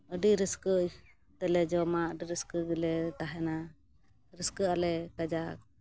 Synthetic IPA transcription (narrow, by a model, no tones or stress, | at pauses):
əɖiɾəskəʔ | t̪ɛlɛd͡ʒɔmaəɖiɾəskəɡilɛt̪aɦɛna | ɾəskəʔalɛkad͡ʒak̚